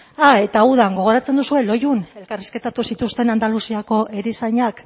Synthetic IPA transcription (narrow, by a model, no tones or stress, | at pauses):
ae̞t̪auðaŋɡo̞ɣ̞o̞ɾat͡se̞nd̪usue̞lo̞june̞lkariske̞t̪at̪usit̪ust̪e̞nand̪alusiako̞ʔe̞ɾisajɲak